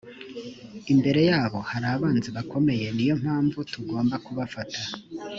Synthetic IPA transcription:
imbe̞ɾe̞jaːβo̞haɾaβaːnziβakʰo̞me̞je̞nijo̞m̥haːɱvutuɡo̞ːmbakuβafatʰa

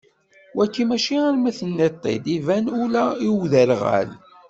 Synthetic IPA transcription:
wækːimæʃiaɾmæθənːet̪ˤːḛd̪ivænulæiwðəɾʁæ̰l

